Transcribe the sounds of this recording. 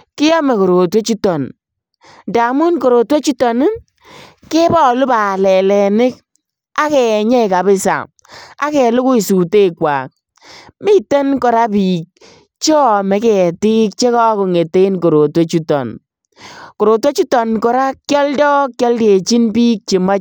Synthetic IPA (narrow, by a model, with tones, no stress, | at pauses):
kɪ˦jɔ˦me˨ko˨ɾo˨twe˦t͡ʃu˦tɔ˨n | da˨mʊ˦nko˨ɾo˨twe˦t͡ʃu˦tɔ˨n˦ | ke˦bɔ˦˨lʊ˦ba˨lɛ˨lɛ˨nɪ˦k̚ | a˦kɛ˨ɲɛ˦˨ka˨bɪ˦sa̰˨ | a̰˦kɛ˨lʊ˦kʊ˦i˨su˨te˦kwa̰ː˨k̚ | mɪ˦te˦nkɔ˨ɾa˦piː˨k̚ | t͡ʃɔ˦˨mɛ˨˦kɛ˨tɪ˦k̚t͡ʃe˦kɔ˦ko˨ŋe˨te˦i˦nko˨ɾo˨twe˦t͡ʃu˦tɔ̰˨n | ko˨ɾo˨t̬we˦t͡ʃu˦tɔ˨nkɔ˨ɾa˦kjɔ˦ldɔ˦kjɔ˦lde˨t͡ʃi˦npi˦k̚t͡ʃi˨ma˦